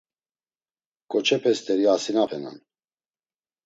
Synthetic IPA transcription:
kʼɔt͡ʃʰɛpʰʼɛst̪ʰʼɛɾiasinapʰɛna̰n

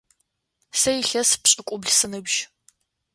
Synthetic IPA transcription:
sɐjɪɬɐspɕʼɪkʷʼʊbɮsɨnɨbʒ

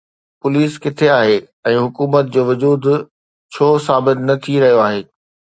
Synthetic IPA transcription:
pʊliːskɪt̪ʰeaːɦe | ɛ̃ːɦʊkuːmət̪̚d͡ʑoːʋʊd͡ʑuːd̪ | t͡ɕʰoːsaːbɪt̪nɐt̪ʰiɾɐɦijoaːɦeː

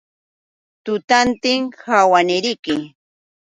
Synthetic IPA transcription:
t̪ʊt̪ant̪ɪŋhawanɪɾɪkɪ

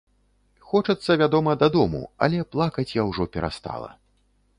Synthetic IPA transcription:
xɔt͡ʂɐt̪sːɐvʲad̪ɔmɐd̪ad̪ɔmṵɐ̰lʲɛplˠakɐt͡sʲjawʐɔpʲɛɾa̰st̪a̰lˠɐ̰

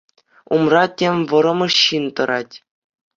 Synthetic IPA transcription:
umrɑtʲemʲʋɤ̆ɾɤ̆mɤ̆ɕːint̪ɤ̆ɾɑtʲ

